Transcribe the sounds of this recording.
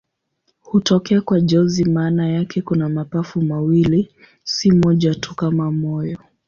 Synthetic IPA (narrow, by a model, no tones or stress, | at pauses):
hutɔkɛakwaʄɔzimaːnajakʰɛkunamapafumawili | simɔʄatʰukamamɔjɔ